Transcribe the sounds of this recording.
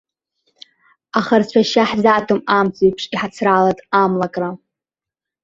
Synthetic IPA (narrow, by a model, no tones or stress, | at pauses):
aχart͡ɕʷʰaʃaħzaːtʰomamt͡sʼujpʰʂʼiħat͡sʰralatʼamlakʼra